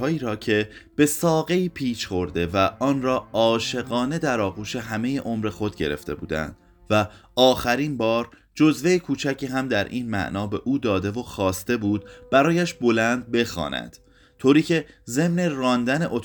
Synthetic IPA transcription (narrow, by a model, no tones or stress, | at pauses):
ɒːiːɾɒːcʰe̞b̥e̞sɒːɣe̞iːpʰiːʃχo̞ɾd̪e̞væʔɒːnɾɒːʔɒːʃe̞ɣɒːne̞d̪æɾɒːɣuːʃe̞ɦæme̞je̞ʔomɾe̞xo̞d̪ɟe̞̰ɾe̞̰ft̪e̞̰bṵːd̪æ̰nd̪̥ | væɒːxæɾinbɒːɾ | d͡ʒo̞zve̞jekʰuːt͡ʃʰæcʰiːɦæmd̪æɾʔiːnmæ̰ʔnɒːbe̞ʔuːd̪ɒːd̪e̞vo̞xɒːst̪e̞buːd̪̚b̥æɾɒːjæʃbo̞lænd̪̚be̞xɒ̰ːnæ̰d̪̥ | t̪ʰoːɾiːcʰe̞ze̞mne̞rɒːnd̪æne̞ʔo̞t̪